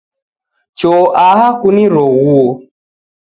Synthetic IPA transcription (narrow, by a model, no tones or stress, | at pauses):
t͡ʃɔːʔaɦakuniɾɔɣuo